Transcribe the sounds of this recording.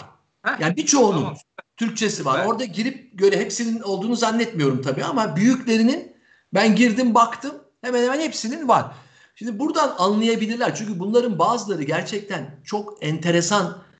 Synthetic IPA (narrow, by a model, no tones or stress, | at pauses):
jaːnibit͡ʃʰo̞ːnunt̪ʰyɾc̚t͡ʃʰe̞sivaɾo̞ɾd̪aɟiɾip̚ɟø̞ɾɛɦɛpsinino̞lˠd̪uːnuzanːɛt̪mijo̞ɾumt̪ʰabiːamabyjyclʲe̞ɾinin | bænɟiɾd̪imbakt̪ʰɯm | hemæɛnhemɛænhɛpsininvaɾ̥ | ʃimd̪ibuɾd̪ananlˠajabilʲiɾlʲæɾt͡ʃʰyɲʲcʰybunlˠaɾɯnbaːzɯlˠaɾɯɟæɾt͡ʃʰɛc̚t̪ʰænt͡ʃʰo̞kɛnt̪ʰe̞ɾe̞san